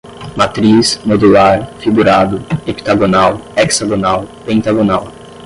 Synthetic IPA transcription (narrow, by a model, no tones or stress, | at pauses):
mat̪ɾismod̪ulaɾfiɡuɾad̪ʊepi̥t̪aɡonawɛkz̥aɡonawpẽnt̪aɡonaw